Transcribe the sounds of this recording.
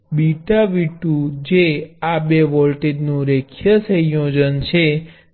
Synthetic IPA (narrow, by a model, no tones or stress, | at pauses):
biʈaʋiʈũd͡ʒeabeʋɔlʈeɖnũɾekʰjəsəjod͡ʒənt͡ʃʰe